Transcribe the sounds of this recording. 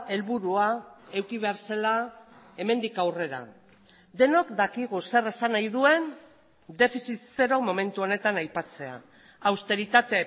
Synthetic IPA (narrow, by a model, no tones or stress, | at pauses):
e̞lβuɾuae̞wkiβ̞e̞aɾsela | e̞me̞nd̪ikawre̞ɾa̰ | d̪e̞nokd̪akiɣ̞use̞re̞sanajð̞ue̞n | d̪e̞fisit̪se̞ɾo̞mo̞me̞nt̪uo̞ne̞t̪anajpat͡se̞a̰ | awst̪e̞ɾit̪at̪e̞